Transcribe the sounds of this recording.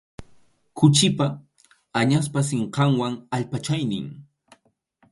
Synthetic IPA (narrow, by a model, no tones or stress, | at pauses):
kʊt͡ʃɪpa | aɲas̬pasɪɴqɑŋwaŋaʎpat͡ʃajnɪ̰ŋ